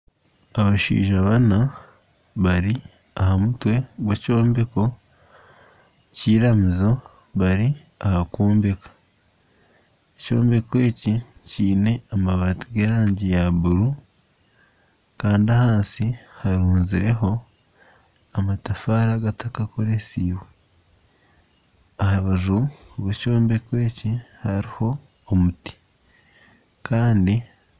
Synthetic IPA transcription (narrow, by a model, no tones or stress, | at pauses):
aβaʃḭːʒaβana | βaɾi | ahamutwe̞ɡweco̞ːmbe̞ko̞ | ciːɾamizo̞ | βaɾi | ahakuːmbekḁ | eco̞̰ːmbe̞kwe̞ːciciːne̞amaβatiɡeɾaːɲɟijaβuɾu | kaːndiahaːnsihaɾuːnziɾe̞ɦo̞ | amatafaːɾaɡatakakoɾesiːβwe | ahaβaʒuoβeco̞ːmbe̞kwe̞ːcihaɾiho̞ː | muti̥ | kaːndi